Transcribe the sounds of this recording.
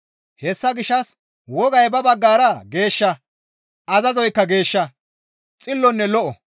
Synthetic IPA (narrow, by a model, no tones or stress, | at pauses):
hɛsːɐɡɪʃɐs | wɔɡɐjbɐbɐɡːaːɾɐɡe̞ːʃːɐ | ʔɐzɐzɔjkːɐɡe̞ːʃːɐ | t͡sʼɪlːɔnːɛlɔʔɔ̰